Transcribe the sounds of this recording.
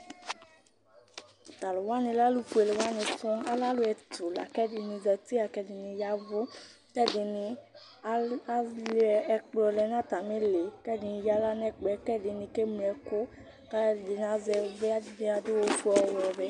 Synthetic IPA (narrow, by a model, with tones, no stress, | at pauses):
ta˨lʊ˨wa˦nĩ˧la˦lu˦ku˦e˧le˨wa˦nĩ˧fɔ̃˦a˦la˦lʊ˦ɛ˧tu˨la̰˨kɛ˦dɪ˧ni˧zɛ˧ti˦a˨kɛ˧dɪ˨ni˧ja˧vʊ˦ | kɛ˦dɪ˧nɪ˧˦ | lɛ˧ɛ˧k͡plɔ˧lɛ˧n˦a˦ta˨mi˦le˨kɛ˦˨dɪ˧ni˧ja˧˦la˦n˦ɛ˦k͡pɛ˧˦kɛ˦dɪ˨˧nĩ˧ke˦m˧ɛ˧kʊ˦ | ka˦˨di˧n˨a˨˧zɛ˧vɛ˦a˦˨di˧a˧dʊ˦wo˧fu˦ɔ˧wɔ˨bɛ˧